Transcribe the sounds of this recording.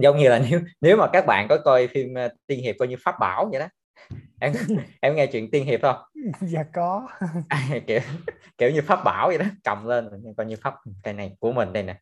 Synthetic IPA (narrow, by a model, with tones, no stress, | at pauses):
zə˨˦wŋ͡mɲɨ˧laː˨˩ne˨˦wne˨˦wmaː˨˩kaː˦˥k̚ɓa̰ː˧˨nkɔ˨˦kɔ˧jfi˧m˧t̪i˧ənɦi˨˩p̚kwaː˧jɲɨ˧faː˦˥p̚ɓaː˧˩wɲɨ˧˩˦ɗɔ˨˦ | ʔɛ˧mʔɛ˧mŋɛ˧t͡ɕwḭ˧˨ənt̪i˧ənɦi˨˩əp̚hə˧wŋ͡mzaː˨˩kɔ˨˦ʔaː˨˩jki˧˩əw | ki˧˩əwɲɨ˧faː˦˥p̚ɓa̰ː˧˩wzə˧˩ɗɔ˨˦t͡ɕa̰˨wŋ͡mleː˧nzo˨˩jɲɨ˧nkwaː˧jɲɨ˧faː˦˥p̚ka˧jna˨˩jku˧˩əmï˨˩ŋ̟ɗa˧˩jna˨˩